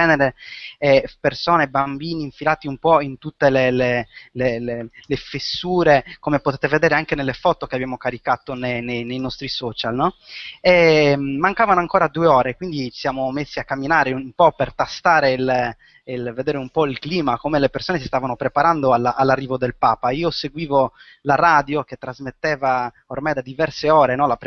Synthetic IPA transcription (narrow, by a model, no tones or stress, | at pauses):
ɛːneɾeɛpersoːnebambiːniːɱfilaːt̪iumpɔint̪ut̪ːelelelelelefesːuːɾekomepot̪eːt̪eved̪ɛːɾeaŋkenelːefɔt̪okeabjaːmokaɾikat̪onenejnejnɔst̪ɾisɔːt͡ʃalnɔɛmaŋkaːvanoaŋkoːɾad̪uːeɔːɾekwind̪it͡ʃi̥sjaːmomesːiakːamːinaːɾeumpɔpert̪ast̪aːɾel | ilved̪eːɾeumpɔilkliːmakomelepersoːnesist̪avanopɾepaɾand̪oalaʔalːarːiːvod̪elpaːpaiːoseɡwiːvo | laɾaːd̪joket̪ːɾazmet̪ːeːva | ormajd̪ad̪ivɛrseɔːɾenɔlapɾ